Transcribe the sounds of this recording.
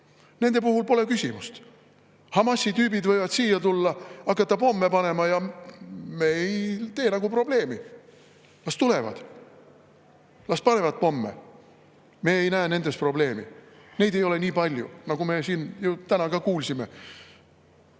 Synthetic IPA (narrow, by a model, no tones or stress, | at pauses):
ne̞nd̪̥e̞p̬uɦulpo̞le̞kysʲimust̪ | hɑmɑsːit̪yːbid̪vɤ̞jvɑd̪siːjːɑt̪ulːɑɑkːˑɑt̪ːɑpo̞mːe̞pɑne̞mɑjɑ | me̞jt̪e̞ːnɑɡ̥upro̞ble̞ːmi | lɑst̪ule̞vɑ̰d̪̥ | lɑspɑne̞vɑd̪̚po̞mːḛ | me̞ːejnæːne̞nd̪̥e̞spro̞ble̞ːmḭ | ne̞jd̪e̞jo̞le̞niːpɑlʲjṵnɑɡ̥ume̞siːnjut̪ænɑkɑkuːlsime̞